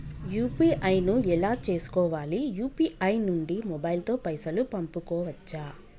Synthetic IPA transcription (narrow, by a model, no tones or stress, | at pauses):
juːpiːʔɐjnuɛlaːt͡ʃe̞ːsu̥kɔːʋaːlijuːpiɐjnuɳɖimɔbɐjlt̪o̞ːpɐjsɐlupɐmpukɔːʋɐt͡ʃːaː